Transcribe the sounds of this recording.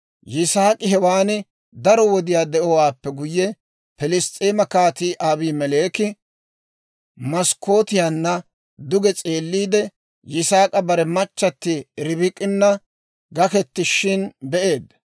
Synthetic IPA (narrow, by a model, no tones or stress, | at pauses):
jɪsaːkʼɪɦɛwaːnɪ | d̪ɐɾɔwɔd̪ɪjaːd̪ɛʔɔwaːpːɛɡʊjːɛ | pɪlɪst̪ʼiːmɐkaːt̪iːʔaːbiːmɛle̞ːkɪ | mɐsko̞ːt̪ɪjanːɐ | d̪ʊɡɛt͡sʼe̞ːlːiːd̪ɛ | jɪsaːkʼɐbɐɾɛmɐt͡ʃːɐt̪ːɪɾɪbɪkʼːɪnːɐ | ɡɐkɛt̪ːɪʃɪnbɛʔe̞ːd̪